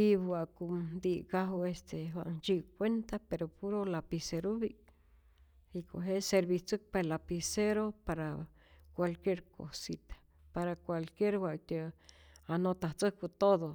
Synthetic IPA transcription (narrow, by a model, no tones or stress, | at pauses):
ibwʷakumd̪iʔkaɦuest̪ʰeɦwa̰ʔnt͡ʃiʔkʷent̪apeɾopuɾolapiseɾuβi | iko̰ɦeseɾbit͡sɨk̚palapiseɾopaɾa | kʷalkjeɾko̰sit̪ḁ | paɾakʷalkjeɾhʷwat̪eanot̪aht͡səkut̪oðo